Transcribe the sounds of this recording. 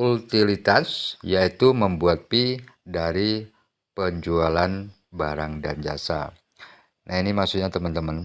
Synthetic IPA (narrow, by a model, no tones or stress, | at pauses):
ult̪ilit̪asjait̪uməmbuat̪̚pidaɾi | pəɲd͡ʒualan | baɾaŋdand͡ʒa̰sa̰ | nahinimaksuɲat̪əmənt̪əmən